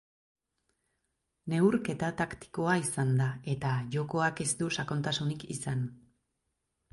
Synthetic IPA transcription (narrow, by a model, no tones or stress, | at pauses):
ne̞uɾke̞t̪at̪akt̪i̥ko̞aisand̪ae̞t̪aʝo̞ko̞ake̞sd̪usako̞nt̪asunikḭsan